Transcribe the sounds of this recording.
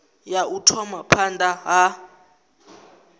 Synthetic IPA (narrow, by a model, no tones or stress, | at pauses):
jautʰɔmapʰandaɦa